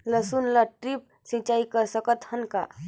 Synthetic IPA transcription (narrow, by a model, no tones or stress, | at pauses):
ləsunlaʈɾip̚ | sĩt͡ʃaːikəɾsəkət̪hənka̰